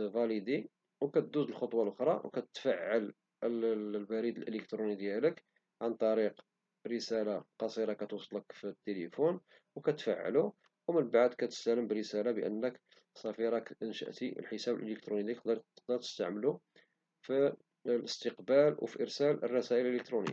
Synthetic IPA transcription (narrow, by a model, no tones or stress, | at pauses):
væləd̪i | wkæt̪̚d̪uzəlxot̪ˤwɑlʔʊxɾˤɑwkæt̪t̪faʕːəl | əbæɾid̪əlʔələkt̪ɾunid̪jælək | ʕant̪ˤɑɾiq | bɾəsælaqɑsˤiɾɑkæt̪usˤləkfit̪ːeləfun | wkæt̪fa̰ʕ̰ːlu | wmənbaʕd̪kæt̪ə̥st̪æləmbərəsælabəʔə̰nːək | sˤːɑfiɾˤɑkənʃə̰ʔt̪ḭlħəsæbəlʔələk̚t̪ɾunid̪iqd̪ɾqd̪ɑɾt̪əst̪aʕməlu | fi | ləst̪əqbælwfiʔəɾsælərˤːɑsæʔəlʔləkt̪ɾunḭjːa